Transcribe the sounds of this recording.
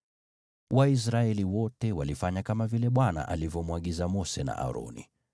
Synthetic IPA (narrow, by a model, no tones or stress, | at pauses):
wais̬ɾaɛliwɔtɛwalifaɲakamavilɛɓwana̰ʔalivjɔmwaɠizamɔsɛna̰ʔa̰ɾɔ̰nḭ